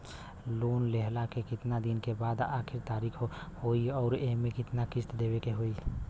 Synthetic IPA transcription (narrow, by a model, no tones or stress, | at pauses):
loːnleɦlakekɪt̪nad̪inkebaːd̪aːkʰɪɾt̪aːɾikʰhoiɔːɾemẽkɪt̪nakɪst̪d̪ebekeɦoi